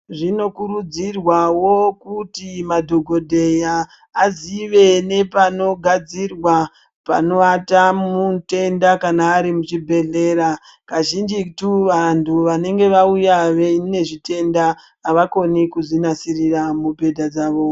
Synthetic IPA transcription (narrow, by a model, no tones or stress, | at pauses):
ʐino̞kuɾud͡zirwawokutimadʱo̞ɡʱodʱe̞jaː | ziʋe̞ne̞pano̞ɡʱad͡zirwa | pa̰no̞atamute̞ndakanaːɾimut͡ʃibʱe̞ɮe̞ːɾa | kaʒind͡ʒituʋantʰuʋane̞ŋɡe̞ʋaujaʋene̞ʐite̞ndaː | ʋako̞nikuzinasiriramubʱe̞dʱad͡zaːʋo̞